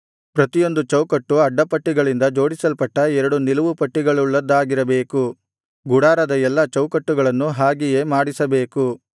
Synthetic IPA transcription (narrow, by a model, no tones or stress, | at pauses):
pɾɐt̪ijo̞nd̪ut͡ʃɐwkɐʈːuɐɖːɐpɐʈːiɡɐɭind̪ɐd͡ʒo̞ːɽisɐlpɐʈːɐɛɾɐɽunilɐʋupɐʈːiɡɐɭuɭːɐd̪ːaːɡiɾɐbe̞ːku | ɡuɽaːɾɐd̪ɐɛlːɐt͡ʃɐwkɐʈːuɡɐɭɐnːuɦaːɡije̞ːmaːɽisɐbe̞ːku